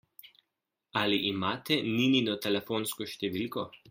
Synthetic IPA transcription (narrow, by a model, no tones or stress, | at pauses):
aliʔimaːt̪ɛnininɔt̪ɛlɛfoːnskɔʃt̪ɛʋiːlkɔ